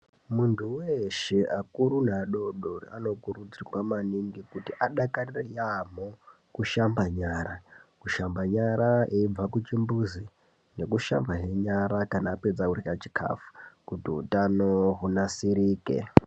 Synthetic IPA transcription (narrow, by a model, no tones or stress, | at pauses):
muntʰuweʃeʔakuɾun̤aɗo̞ɗorḭa̰no̞kurud͡zirwamaniŋɡikutiʔaɗakarirejamo | kuʃambaɲaːɾakuʃambaɲaɾaeib͡vakut͡ʃimbuzi | ne̞kuʃa̰mbaɦeɲaɾakanaːpe̞d͡zaurikat͡ʃi̥kʰa̰fu̥kutiṵtanoɦunasiɾiːkḛ